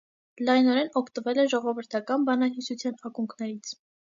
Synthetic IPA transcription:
lɑjnɔɾɛnɔkʰt̪əvɛlɛʒɔʁɔvəɾt̪ʰɑkɑnbɑnɑɦisut͡sʰjɑnɑkuŋkʰnɛɾit͡sʰ

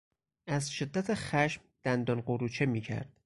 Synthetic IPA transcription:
æzʃed̪ːæt̪ʰexæʃmd̪̥ænd̪ɒnɢoɾuːt͡ʃʰemiːcʰæ̰ɾd̪̥̚

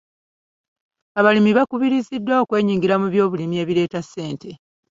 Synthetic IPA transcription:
aβalimiβakuβiɾizidːwao̞kwe̞ːɲiːŋɡiɾamuβjo̞ːβulimie̞ːβile̞ːtasːe̞ːnte̞

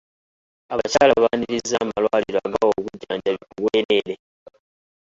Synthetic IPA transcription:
aβaacaːlaβaːniɾizːaːmalwaːliɾoaɡawoβuɟːaːɲɟaβikuβweːɾe̞ɾe̞

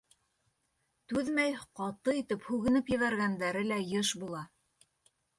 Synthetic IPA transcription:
t̪ʉðmæjqɑt̪ɤit̪ɘphʉɣɘ̆nɘpjɘ̆βæɾɣænd̪æɾɘlæjɤʃbulˠɑ

